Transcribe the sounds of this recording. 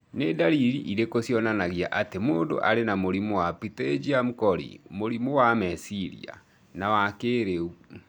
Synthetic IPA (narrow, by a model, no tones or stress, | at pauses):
nedaɾiɾiʔiɾekosjɔnanaɣjaʔatemoːndo̰ʔaɾenamoɾimowapited͡ʒiamukɔɾḭmoɾimowamɛsiɾḭa̰ | nawakeːɾeu